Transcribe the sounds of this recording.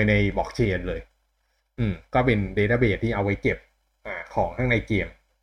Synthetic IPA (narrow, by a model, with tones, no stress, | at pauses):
jna˧jbɔː˨˩k̚t͡ɕʰeː˧nlɤː˧j | ʔɯː˨˧˩mkɔː˥˩pe˧nde˧t̪aː˥˩beː˨˩t̪̚ʰːiː˥˩ʔa˧wːa˦˥jke˨˩p̚ | ʔaː˧˩kʰɔː˩˦ŋtʰa˥˩ŋna˧jki˨˧˩əm